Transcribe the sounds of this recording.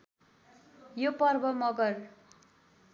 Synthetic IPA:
jopʌrbʌmʌɡʌr

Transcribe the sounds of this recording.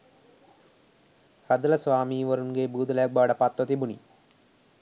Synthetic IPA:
ɾɐd̪ɐlɐsʋaːmiːʋɐɾunɡeːbuːd̪ɐlɐjɐk̚baːɖɐpɐt̪ʋɐt̪ibunḭ

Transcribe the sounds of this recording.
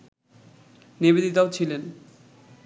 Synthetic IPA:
nibed̪it̪aot͡ɕʰilen

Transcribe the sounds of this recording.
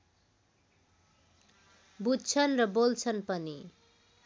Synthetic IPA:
budt͡sʰʌnrʌbolt͡sʰʌnpʌni

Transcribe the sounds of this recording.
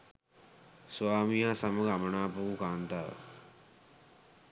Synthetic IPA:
sʋaːmijasɐmɐɡamɐɳaːpuũkaːnt̪aːʋ̰

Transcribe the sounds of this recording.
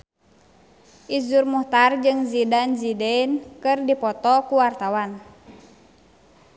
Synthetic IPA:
ʔizurmuht̪ard͡ʒɨŋzidanzidɛnkɨrdipɔt̪ɔkuwart̪awan

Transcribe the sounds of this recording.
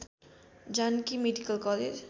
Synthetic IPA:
d͡ʒankimeɖikəlkɔled͡ʒ

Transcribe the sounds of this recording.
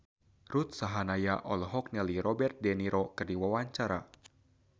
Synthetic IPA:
rut̪̚saɦanajaʔɔlɦɔk̚nɛliɾɔbɛrt̪̚dɛniɾʔokɨrdiwawaɲt͡ʃaɾa

